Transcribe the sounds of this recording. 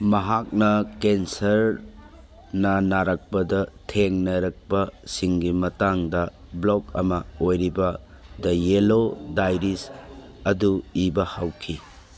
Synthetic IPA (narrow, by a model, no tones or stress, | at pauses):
mɐɦak̚nɐkensɐɾ | nɐnaɾɐk̚pɐdɐtʰeŋnɐɾɐk̚pɐsiŋɡimɐtaŋdɐblokɐmɐojɾibɐ | dɐjelodajɾis | ɐduibɐhawkʰi